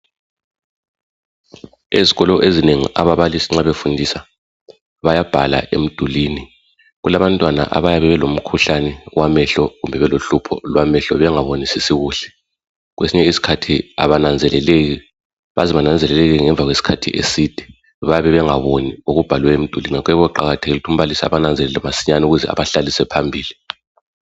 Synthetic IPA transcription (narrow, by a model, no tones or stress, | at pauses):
eziɣɔlɔʔezineŋḭʔa̰βaβalisiŋ͡ǁaβefundʱisa | βajab̥ʱala̰ʔḛm̩d̥ʱuliːni | ɣulaβantʼwana̰ʔa̰βajaβɛβɛlom̩kʰuɬanɛwamɛɬɔɣumbʱɛβɛloɬupʰɔ̰lwamɛɬɔβɛŋaβonisisiɣuːɬɛ̥ | ɣwesiɲɛisi̥kʰatʰia̰βanand͡zʱɛlɛleɣi | βaziβanand͡zʱɛlɛlɛɣiŋɛɱvʱaɣwesi̥kʰatʰḭʔḛsid̥ʱi̥ | βajaβɛβɛŋaβonioɣub̥ʱalwɛem̩d̥ʱuliniaɣwɛβɔǃaɣatʰeɣilutʰum̩βalisaa̰βanand͡zʱɛlɛlamasiɲanuɣuzɛ̰a̰βaɬalisɛpʰambʱiːli